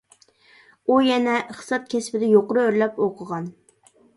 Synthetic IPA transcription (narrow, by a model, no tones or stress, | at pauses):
ujɛnɛχsɑt̪̚kʲʰɛspɪd̪ɛjoqɾɨøɾlɛpoqʰəʁɑn